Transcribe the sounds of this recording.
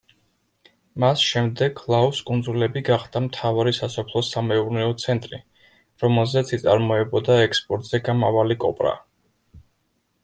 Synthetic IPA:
masʃɛmd̪ɛɡʰlˠauskʼund̪zulɛbiɡaχd̪amt̪ʰavaɾisasɔpʰlˠɔsamɛuɾnɛɔt̪sʰɛnt̪ʼɾḭ | ɾɔmɛlˠzɛt̪sʰit̪sʼaɾmɔɛbɔd̪aɛkspʼɔɾt̪ʼz̥ɛɡamavalikʼɔ̰pʼɾa̰

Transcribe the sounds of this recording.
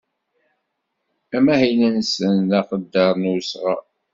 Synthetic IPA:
æmæhinənsənðɑqəd̪ːɑɾˤnusʁɑ̰

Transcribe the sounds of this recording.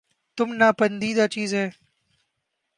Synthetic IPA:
t̪ʊmnaːpənd̪iːd̪aːt͡ʃiːzɦɛː

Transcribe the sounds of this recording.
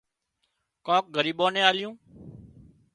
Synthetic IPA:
kõːk̚ɡəɾiːɓõːnẽːaːlɪjũː

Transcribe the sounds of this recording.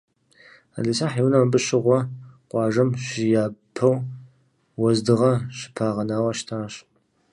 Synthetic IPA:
a̰ɮisaːħiwnɐmbɨɕɪʁʷɔqʷʼɑːʒɐmɕɪjaːpʰɐw | wɐzdɨʁɐɕɪ̥pʰaːʁɐnaːwɐʃtʰaːɕ

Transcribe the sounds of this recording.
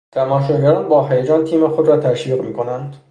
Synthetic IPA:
t̪ʰæmɒːʃoɟæɾɒːnbɒːɦæjed͡ʒɒːnt̪ʰiːmexod̪ɾɒːt̪ʰæʃʋiːʁmiːkʰo̞nænd̪

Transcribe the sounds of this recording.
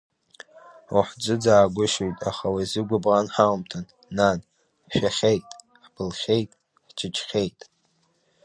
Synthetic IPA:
uħd͡ʒʷʼɨd͡zaːɡʷʊʃojtʼaχawazɨɡʷʊbʁanħaumtʰanː | an | ʃᶣaχʲejtʼ | ħb̥ɨlχʲejtʼ | ħt͡ʃʰɪt͡ʃʰʼχʲejtʼ

